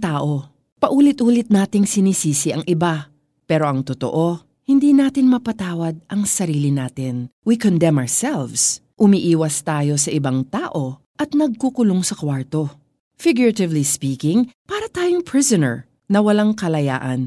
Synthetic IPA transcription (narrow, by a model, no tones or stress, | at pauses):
t̪aːʔo̞ | pɐʔuːlɪt̪̚ʔuːlɪt̪̚naːt̪ɪŋsɪnisiːsɪʔɐŋʔɪba | pɛːɾo̞ʔɐŋt̪ot̪o̰ʔo̞ | hɪnd̪iːnaːt̪ɪnmɐpɐt̪aːwɐd̪̚ʔɐŋsɐɾiːlɪnaːt̪ɪnwikond̪ɛmɐɹsɛlvsʔʊmiʔiːwɐst̪aːjo̞sɐʔɪbaŋt̪aːʔo̞ | ʔɐt̪̚nɐɡ̚kukʊloŋsɐkwaɹt̪o̞ | fɪɡjʊɹɐt̪ɪvlispiːkɪŋpaːɾɐt̪aːjoŋpɹɪzonɛ̰ɹ | nɐwɐlaŋkɐlɐja̰ːʔɐn